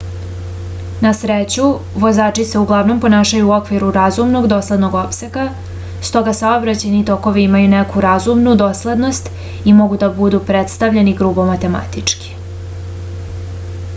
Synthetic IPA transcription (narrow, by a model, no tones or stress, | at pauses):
nasɾet͡ɕu | ʋo̞zaːt͡ʂise̞uɡlˠaʋno̞mpo̞naːʃajuo̞kʋiɾuɾazumno̞ɡd̪o̞ːslˠed̪no̞ɡo̞pse̞ka | st̪o̞ɡasaobɾat͡ɕajnit̪o̞ko̞ʋiimajunekʰuɾazumnud̪o̞sled̪no̞st̪ | imo̞ɡud̪abud̪upɾet̪st̪aʋʎe̞niɡɾubo̞mat̪e̞ma̰t̪it͡ʂki̥